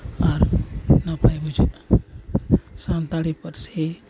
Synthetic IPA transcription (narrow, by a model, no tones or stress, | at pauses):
aɾnapajbud͡ʒi | sãnt̪aɽipəɾse